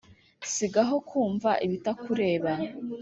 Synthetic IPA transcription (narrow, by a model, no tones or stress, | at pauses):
siɡaɦo̞kʰuːɱvaʔiβitakuɾe̞ːβa